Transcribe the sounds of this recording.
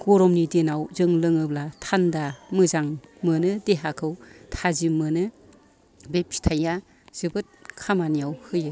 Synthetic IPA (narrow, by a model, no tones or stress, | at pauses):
ɡ̥ɔɾɔmnidenawzɯŋlɯŋɯblatʰandamɯzaŋmɯnɯdeɦakʰɯwtʰazimɯnɯ | bep̚sʰi̥tʰaja | z̥ɯbɯt̚kʰamanijawhɯjɯ